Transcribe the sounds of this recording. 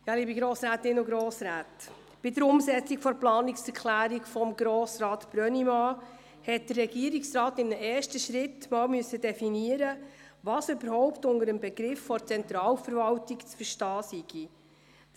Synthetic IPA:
jɑliːbiɡɾoːsɾæːtɪnʊɡɾoːsɾæːt | b̥ɪdəɾʊmsɛt͡sikfɔɾplɑːnɪksɛkʰlæːɾikfɔmɡɾoːsɾɑːtb̥ɾœnimɑː | hɛt̚d̥ərːɛɡiəɾiksrɑːtɪmnəʔɛːɾʃtəʃɾɪtːmɑːlmʏəsːədɛfiniəɾə | ʋɑːsøbəɾhɔwptʊndəɾəmbɛɡ̥ɾɪfːɔɾt͡sɛnt̪ɾɑːlfəɾvɑltikt͡sfəɾʃtɑːsiɡ̥i

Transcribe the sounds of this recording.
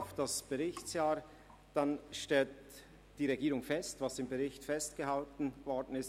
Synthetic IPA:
ʊfd̥asb̥əʁɪçsjaːɾ | d̥anʃtɛlt | d̥iːʁeɡiːʁʊŋfɛstvɑsɪmbəʁɪçtfɛstɡ̥əhaltn̩vɔɾdən̩ɪst

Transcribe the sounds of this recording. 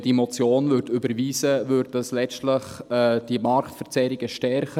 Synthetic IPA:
d̥imɔt͡sjoːnvʏɾdybəɾʋiːsəvʏɾddɑslɛt͡stləχd̥imɑɾktfəɾt͡sɛɾiɡ̥əʃtɛɾχə

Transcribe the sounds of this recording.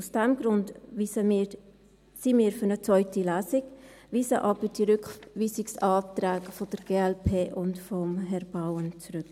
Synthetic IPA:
usd̥ɛmɡɾʊndə | simiːɾfʏɾnət͡sʋɔʏtilæːzɪɡ | viːsəʔɑbəd̥iɾʏkviːsɪksɑːt̪ɾæːɡfɔd̥əɾɡ̥eːɛlpʰeːʔʊntfɔmɦɛɾbawənt͡sɾʉk

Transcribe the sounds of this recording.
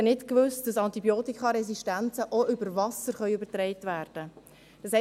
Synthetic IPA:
ənɪtkvʏst̚d̥ɑsɑntibjoːtikχɑɾɛs̬iʃtænt͡səʔoʔʏbəɾvɑsəɾχœʏʉbəɾtɾɛɪtvæːɾd̥ə | d̥ɑshɛ

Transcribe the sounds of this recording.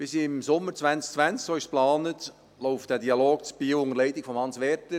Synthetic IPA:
b̥ɪsɪɪmsʊmːəɾt͡svʋænsk̚t͡sʋænt͡sksoːɪʃsplɑːnət | loʊft̚d̥æːdiɑloːɡ̥̚t͡sb̥iːoʊŋəɾlɛɪdɪkfɔmhɑnsʋɛɾtə

